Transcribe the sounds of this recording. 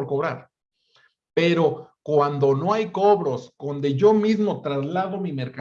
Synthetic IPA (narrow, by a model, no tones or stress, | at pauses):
ɾkoβɾa̰ɾ | pe̞ɾo̞kwand̪o̞no̞ajko̞βɾo̞sdo̞nd̪e̞ʝo̞mizmo̞t̪ɾazlaðo̞mime̞ɾka